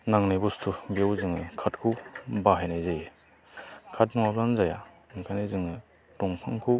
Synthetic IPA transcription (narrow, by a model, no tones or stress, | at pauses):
naŋnajbɔstʰubiawzɯŋɯkʰatkʰuwbaɦajnajzej | kʰat̚nɔŋablanzaja | kʰanajzɯŋɯ | tɔŋpʰaŋkʰu